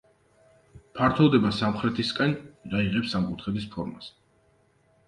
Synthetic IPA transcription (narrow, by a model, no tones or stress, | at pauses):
pʰaɾt̪ʰɔd̪ɛbasamχɾɛt̪ʰiskʼɛnd̪aiʁɛpsamkʼut̪ʰχɛd̪ispʰɔɾmas